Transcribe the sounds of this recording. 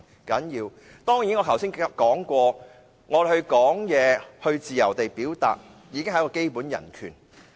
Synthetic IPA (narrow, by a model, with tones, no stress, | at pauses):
kɐ˨˥njiː˧w | t̪ɔː˥ŋjiː˨˥nŋɔː˨˧kʰɐ˨˩wsi˥nkɔː˨˥ŋkʷɔː˧ | ŋɔː˨˧˩hɵ˧ɥkɔː˨˥ŋjɛː˨˧hɵ˧ɥt͡siː˨jɐ˨˩wt̪e˨jpiː˨˥wt̪a̰ː˨t̚ | jiː˨˧kɪ˥ŋhjkɔː˧ke˥jpuː˨˥njɐ̰˨˩nkʰy̰ː˨˩n